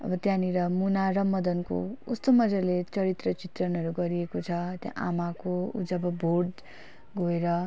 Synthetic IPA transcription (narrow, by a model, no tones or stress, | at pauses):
ʌ̰bʌt̪jãniɾʌmunaɾʌmʌd̪ʌnko̰ust̪ʌmʌd͡zʌlet͡sʌɾit̪rʌt͡sit̪rʌnɦʌɾuɡʌɾiekot͡sʰʌt̪jã̰ʔamakoṵd͡zʌbʌbʱorɖ | ɡoeɾʌ